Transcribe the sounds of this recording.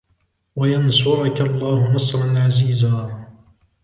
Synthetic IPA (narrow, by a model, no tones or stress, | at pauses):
wajansʊʕʊkalˤːɑːhʊnɑsˤɾˤɑnʕaziːzaː